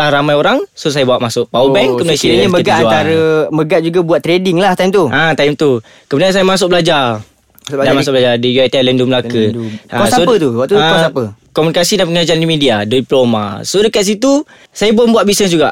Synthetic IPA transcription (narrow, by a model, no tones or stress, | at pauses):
lahɾamãjoɾaŋsos̬ajabawaʔmasʊʔ̚pawəbɛŋkəmuasiɲəməɡat̪aɾəməɡaʔd͡ʒuɡabuat̪ːɾedɪŋlaht̪aimt̪uʔãt̪aimt̪u | kəmundansajamas̬ʊk̚bəlad͡ʒa | damasʊkblad͡ʒadijuajt̪alənduməlakəasaoət̪ubuaʔt̪uə̃ksapə | kɔmunikasidapəŋad͡ʒaandimidiadiiploma̰sodəkat̪̚s̬it̪u | sajabambuaʔ̚bisnəsd͡ʒuɡaʔ